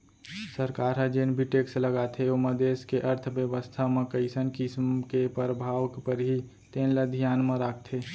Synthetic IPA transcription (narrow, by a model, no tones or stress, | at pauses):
səɾkaːɾɦəd͡ʒeːnbʱiʈeːksləɡaːt̪ʰeoməd̪eːskeʔəɾt̪ʰbjəʋəst̪ʰamẽkəɪsənkismkepəɾəbʱaːwkpəɾɦi | t̪eːnləd̪ʱijaːnmẽɾaːkʰt̪ʰe